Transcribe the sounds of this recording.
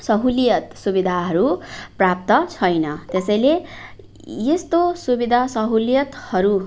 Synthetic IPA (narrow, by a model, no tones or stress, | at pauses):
sʌɦuljʌt̪subid̪ʱaɦʌɾuprap̚t̪ʌt͡sʰʌjnʌt̪esʌjle | jest̪osubid̪ʱasʌɦuljʌt̪hʌɾu